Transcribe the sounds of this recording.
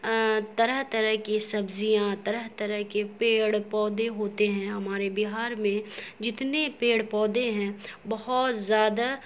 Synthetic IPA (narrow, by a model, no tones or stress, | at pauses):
t̪ɐɾəɦt̪ɐɾəɦkisɐbzijãt̪ɐɾəɦt̪ɐɾəɦkepeːɽpɔːd̪eɦoːt̪eɦɛ̃ɦɐmaːɾebɪɦaːɾmẽd͡ʒɪt̪nepeːɽpɔːd̪ẽɦɛ̃bɐɦɔt̪zjaːd̪a